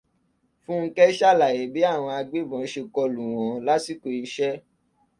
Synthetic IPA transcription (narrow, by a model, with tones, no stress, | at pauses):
fũ˦ŋ̩˦kɛ˦ʃa˦˨la˨je˨bi˨˦a˦˨w̃ɔ̃˧a˧ɡ͡be˦bɔ̃˨˦ʃe˧kɔ˧lũ˨w̃ɔ̃˨˦la˦si˦˨ko˧i˧˦ʃɛ˦